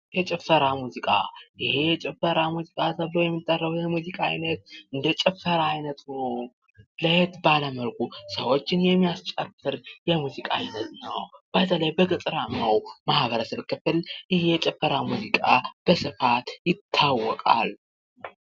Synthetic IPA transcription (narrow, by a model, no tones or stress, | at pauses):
jɛt͡ʃʼɛfəɾamuzikʼa̰jɪhejɛt͡ʃʼɛfəɾamuzikʼat̪ʰəβlojɛmːit̪ʼːərːəwujɛmuzikʼaajnət̪ɨnd̪ət͡ʃʼɛfəɾaːjnət̪nəw | ləhet̪baləməlkʼusəwo̞t͡ʃːɪnjɛmːijast͡ʃʼəfːɨɾjɛmuzikʼa̰ajnət̪nəwb̥at̪ʰələjbəkʼɨt͡sʼɾamːawmahβəɾəsəβkʰːɨfɨlʔɪjɛt͡ʃʼɛfːəɾamuzikʼab̥əsɨfat̪jɪt̪ʰːawːɔkʼa̰l